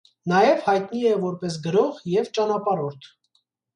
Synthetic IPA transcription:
nɑjɛvhɑjt̪niɛvɔɾpɛs̬ɡəɾɔʁjɛvt͡ʃɑnɑpɑɾɔɾt̪ʰ

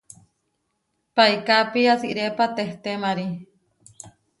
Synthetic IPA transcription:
paikapiasiʔɾepat̪eht̪emaɾi

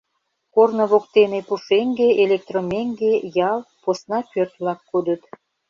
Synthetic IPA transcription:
kornəβok̚t̪enepuʃeŋɡeelek̚t̪romʲeŋɡejɑlposnɑpørt̪βlɑkːud̪ət̪

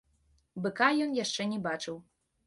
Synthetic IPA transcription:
bɨkajɔnjaʂt͡ʂɛnʲɛbat͡ʂɨw

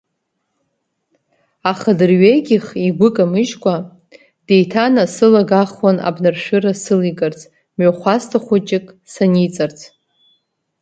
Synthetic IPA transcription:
aχadɨrɥeɡʲiχiɡʷʊkʼamɨʒkʷʼa | de̞jtʰanasɨlaɡaχwana̰bnarʃᶣɨrasɨliɡʼart͡sʰʼ | mɥaχʷastʰaχʷʊt͡ʃʼɪkʼ | sanit͡sʼart͡sʰʼ

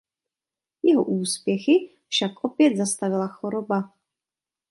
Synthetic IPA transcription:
jɛɦo̰ʔuːspjɛxɪ | fʃakʔo̞pjɛd̪zast̪avɪlaxo̞ɾoba

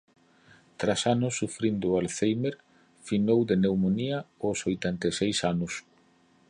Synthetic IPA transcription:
t̪ɾasanʊsːufɾind̪ʊalθejmeɾ | finowðenewmoniɐosojt̪ɛnt̪esejsanʊs

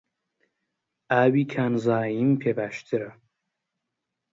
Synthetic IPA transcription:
aːwikʰanzaːjimpʰebæʃt̪ʰɨɾa

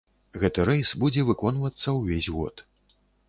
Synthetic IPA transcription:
ɣɛt̪ɨɾɛjsbud͡zʲɛvɨkɔnvɐt̪sːɐwvʲezʲɣɔ̰t̪

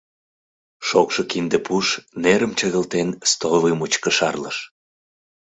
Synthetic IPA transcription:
ʃokʃɤkind̪epuʃneɾəmt͡ɕəɣəlt̪enst̪olvimut͡ɕkəʃɑrləʃ

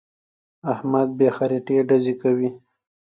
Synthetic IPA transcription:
ahmad̪̚bexaɾiʈeɖazekawi

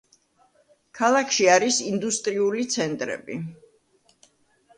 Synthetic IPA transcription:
kʰalˠakʰʃiaɾisind̪ust̪ʼɾiulit̪sʰɛnt̪ʼɾɛ̰bḭ

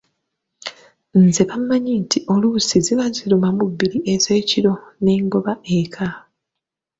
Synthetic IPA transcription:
nzeβamːaɲintʰiʔo̞lusiziβaziɾumamubːiɾiʔeze̞ːciɾo̞ne̞ːŋɡo̞βae̞kʰa

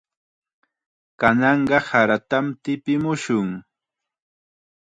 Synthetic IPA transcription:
kanɑɴɢɑhaɾat̪amt̪ɪpɪmʊʃʊŋ

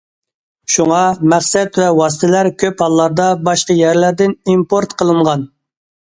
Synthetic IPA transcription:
ʃuŋɑmæχsɛt̪wɛwɑs̬ɨ̥t̪ʰɪlæɾkʲʰøphɑlˠːɑɾd̪ɑbɑʃqɑjæɾlæɾd̪ɪnimpoɾt̪qʰəlˠɨɴʁɑn

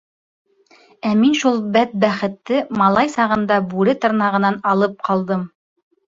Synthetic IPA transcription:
æminʃulˠbæt̪̚bæχɘ̆t̪ːɘmɑlˠɑjsɑʁɤ̆nd̪ɑbʉɾɘt̪ɤ̆ɾnɑʁɤ̆nɑnɑlˠɤp̚qʰɑlˠd̪ɤm

